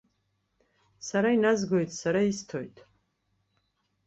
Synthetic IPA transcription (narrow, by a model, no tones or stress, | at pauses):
saɾainazɡojtʰʼsaɾaistʰojtʼʰ